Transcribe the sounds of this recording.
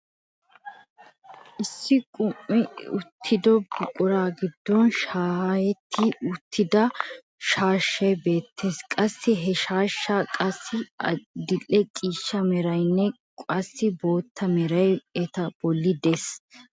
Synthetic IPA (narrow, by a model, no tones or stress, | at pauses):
ʔɪsːɪkʼʊmːɪʊt̪ʰːɪd̪ɔbʊkʼʊɾaːɡɪd̪ːɔnʃaːhɐjɛt̪ʰːɪʊt̪ʰːɪd̪ɐ | ʃaːʃːɐjbe̞ːt̪ʰːeːskʼɐsːɪɦɛʃaːʃːaːkʼɐsːɪɐd̪ɪlːɛkʼiːʃːɐmɛɾɐjnːɛ | kʼɐsːɪbo̞ːt̪ʰːɐmɛɾɐjɛt̪ɐb̥ɔlːɪd̪es